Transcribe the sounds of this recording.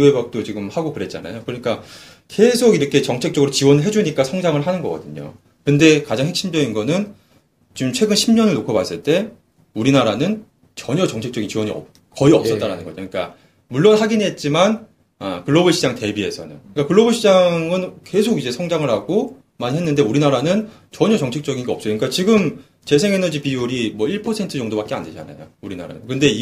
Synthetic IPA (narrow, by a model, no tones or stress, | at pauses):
webak̚t͈ot͡ɕiɡɯmhaɡokɯɾe̞t̚t͡ɕ͈a̰na̰jokɯɾʌɲik͈a | ke̞sʰoɡiɾʌkʰe̞t͡ɕʌŋt͡ɕʰek̚t͡ɕ͈ʌɡɯɾot͡ɕiwʌnɯɭɦe̞d͡ʑuɲik͈asʰʌŋd͡ʑaŋɯɭɦanɯnɡʌɡ͈ʌ̰dɯɲo̰ | kɯnde̞kad͡ʑaŋɦek̚ɕ͈ʰimd͡ʑʌinɡʌnɯn | t͡ɕiɯmt͡ɕʰwe̞ɡɯnɕʰimɲʌnɯɭnokʰʌbas͈ɯɭt͈e̞ | uɾinaɾanɯn | t͡ɕʌɲʌt͡ɕʌŋt͡ɕʰe̞k̚t͡ɕʌɡint͡ɕiwʌɲiʌ | kʌiʌps͈ʌt͈aɾanɯnɡʌd͡ʑoik͈a̰ | muɭːʌnɦaɡiniɦe̞t̚t͡ɕ͈iman | a̰kɯɭːobɯɕʰid͡ʑaŋte̞bie̞sʰʌ̰nɯ̰nɯik͈akɯɭːʌbɯɕʰid͡ʑaŋŋɯnke̞sʰoɡid͡ʑe̞sʰʌŋd͡ʑaŋɯɭhaɡo | maɲiɦe̞nːɯnde̞uɾinaɾanɯn | t͡ɕʌɲʌt͡ɕʌŋt͡ɕʰe̞k̚t͡ɕ͈ʌɡinɡʌʌps͈ʌɲikat͡ɕiɡɯm | t͡ɕe̞sʰeŋe̞nʌd͡ʑipiuɾimwʌiɭpʰʌsʰe̞ntʰɯd͡ʑʌŋdobak͈ea̰nde̞d͡ʑa̰na̰jo̰uɾina̰ɾa̰nɯ̰nkɯnde̞i